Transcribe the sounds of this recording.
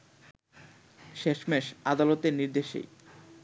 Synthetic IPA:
ʃeʃmeʃad̪alot̪eɾniɾd̪eʃḛj

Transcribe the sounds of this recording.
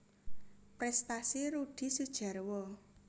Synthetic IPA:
pɾɛst̪asiɾuɖ̥i̤sud̥ʒ̥ä̤rwɔ

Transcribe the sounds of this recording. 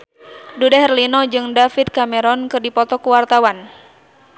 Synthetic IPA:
dudaɦɛrlinɔd͡ʒɨŋdafit̪̚kamɛɾɔnkɨrdipɔt̪ɔkuwart̪awan

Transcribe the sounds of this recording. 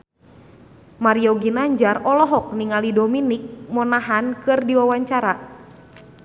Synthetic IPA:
maɾiɔɡinaɲd͡ʒarɔlɔɦɔk̚niŋalidominik̚mɔnaɦankɨrdiwawaɲt͡ʃaɾa

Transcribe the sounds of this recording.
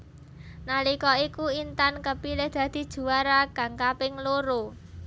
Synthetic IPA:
nalikɔikuint̪ankəpilɪhd̪̥ä̤d̪̥i̤d̥ʒ̥ṳwaɾaɡ̥ä̤ŋkapɪŋloɾo

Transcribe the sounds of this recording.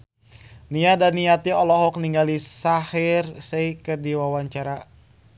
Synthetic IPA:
niadaniat̪iɔlɔɦɔk̚niŋɡalisahirseikərdiwawaɲt͡ʃaɾa

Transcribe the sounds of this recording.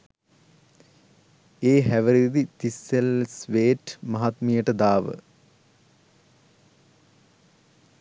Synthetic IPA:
eːɦæʋəɾid̪it̪isːelsʋeːʈmɐɦat̪mijəʈəd̪aːʋə̰

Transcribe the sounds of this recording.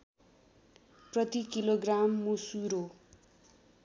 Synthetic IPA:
prʌt̪ikiloɡramːusuɾo

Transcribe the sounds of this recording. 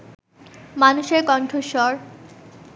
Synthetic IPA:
manuʃeɾkɔɳʈʰoʃɔɾ

